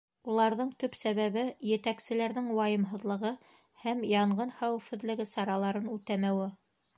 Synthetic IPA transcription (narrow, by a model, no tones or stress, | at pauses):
ulˠɑɾðɤɴt̪ɵpsæβæβɘjɘ̆t̪æksɘ̆læɾðɘŋwɑjɤ̆mɦɤ̆ðlˠɤ̆ʁɤ | hæmjɑɴɢɤnχæwɘ̆fɘ̆ðlɘ̆ɡɘsɑɾɑlˠɑɾɤnʉt̪æmæwɘ